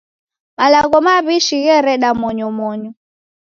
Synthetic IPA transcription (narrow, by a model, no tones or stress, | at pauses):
malaɣɔmaβiʃiɣɛɾɛɗamɔɲɔmɔɲɔ